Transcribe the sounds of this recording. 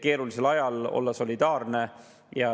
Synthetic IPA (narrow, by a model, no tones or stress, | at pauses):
ke̞ːɾulise̞lɑjɑlo̞̰lːɑso̞lʲid̪̥ɑːɾne̞ | jɑ